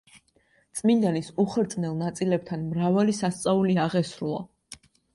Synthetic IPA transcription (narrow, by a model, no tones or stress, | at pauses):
t̪sʼmind̪anisuχɾt̪sʼnɛlˠnat̪sʼilɛb̚t̪ʰanmɾavalisast̪sʼauliaʁɛsɾulˠa̰